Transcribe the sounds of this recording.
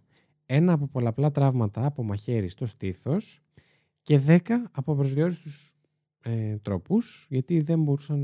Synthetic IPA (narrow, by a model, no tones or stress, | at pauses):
e̞nɐːpo̞po̞lɐːplɐt̪ɾɐvmɐt̪ɐːpo̞mɐçe̞ɾist̪o̞st̪iθo̞s | ce̞ðe̞kɐːpopɾo̞zðio̞ɾist̪us | et̪ɾo̞pusʝɐt̪iðe̞mbo̞ɾusɐn